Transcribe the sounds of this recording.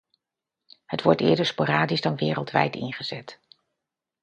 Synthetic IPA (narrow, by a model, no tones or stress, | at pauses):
ɦətʋɔɹtɪːɹdəɹspoːraːdizdɑnʋɪːrəlˠtʋɛ̰jtɪ̰nχəz̥ɛt